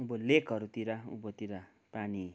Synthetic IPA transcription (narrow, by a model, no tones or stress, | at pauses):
ubolekɦʌɾut̪iɾaṵbot̪iɾa | pani